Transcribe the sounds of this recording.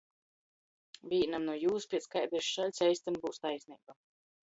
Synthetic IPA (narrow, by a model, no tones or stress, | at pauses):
vʲiːnamnuɔjuːspʲiɛskajd̪ɾiʃalʲsʲɛjst̪ambuːst̪ajsʲnʲḭːba